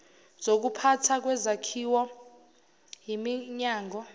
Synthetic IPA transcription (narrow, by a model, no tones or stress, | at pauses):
z̥ok̬upʰatʰak̬wɛzakʰiwɔ | ɦimiɲaːŋʱɔ